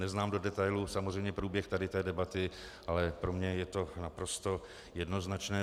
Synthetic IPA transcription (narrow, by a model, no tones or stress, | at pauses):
nɛznaːmdo̞dɛt̪ajlusamozrɛjmɲɛpɾuːbjɛxt̪adɪt̪ɛːdɛbat̪ɪ | ʔalɛpɾomɲɛjɛt̪o̞napɾo̞st̪o̞ | jɛdno̞znat͡ʃnɛː